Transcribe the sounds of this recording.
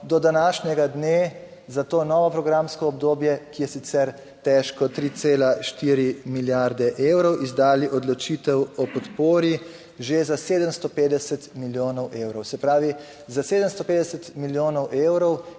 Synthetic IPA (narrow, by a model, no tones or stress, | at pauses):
d̪ɔd̪anaːʃnʲɛɡad̪neː | zat̪oːnɔːʋɔpɾɔɡɾamskɔːb̚d̪oːbjɛkijɛsit̪sɛɾ | t̪ɛʃkɔt̪ɾit̪seːlaʃt̪iːɾimiljaɾd̪ɛʔeːwɾɔwʔizd̪aːliʔɔd̪lɔt͡ʃiːt̪ɛwɔpɔt̪poːɾi | ʒezaseːd̪əmst̪ɔpeːd̪ɛsət̪miljoːnɔwʔewɾɔwsɛpɾaːʋi | zaseːd̪əmst̪ɔpeːd̪ɛsət̪miljoːnɔwʔewɾɔw